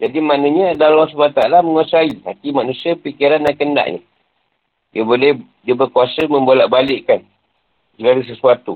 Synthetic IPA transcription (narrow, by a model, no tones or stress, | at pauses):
d͡ʒadimanə̃ɲə̃dalasubaat̪aalaməŋuasaiɦa̰t̪imanũsiəpikiɾandankənda̰ʔɲə̰̃ | diəbolɛh | diəbərkuasəmə̃mbolaʔbalɪʔkan | səɡaɾis̬əsuat̪u